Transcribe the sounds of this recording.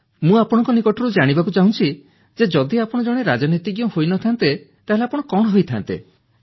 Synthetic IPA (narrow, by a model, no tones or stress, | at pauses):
mũapɔɽ̃ɔ̃ŋkɔnikɔʈʰɔɾud͡ʒaɽ̃ibakut͡ʃaɦũt͡ʃʰi | d͡ʒed͡ʒɔd̪iapɔɽ̃ɔd͡ʒɔɽ̃eɾad͡ʒɔnit̪iɡjɔhojnɔt̪ʰant̪e | t̪aɦeleapɔɽ̃ɔkɔɽ̃ɔɦojt̪ʰant̪ḛ